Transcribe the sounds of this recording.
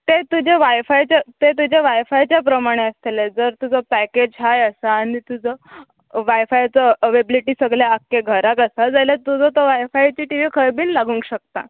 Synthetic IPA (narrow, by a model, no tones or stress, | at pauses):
t̪et̪ud͡ʑʱeʋajfajt͡ɕat̪et̪̬ud͡ʑeʋajfajt͡ɕjap̬ɾəmaɽ̃eəst̪eled͡zəɾt̪ud͡zɔpæked͡ʑɦajəsaːɽ̃it̪ud͡zʱə | ʋajfajt͡səʋebliʈiːsəɡljaːkːeɡʱəɾakəsad͡zajlat̪ud͡zɔt̪ɔʋajfajt͡ɕiːʈiʋiːkʰəɾbiːnlaɡũːŋkɕək̚t̪a̰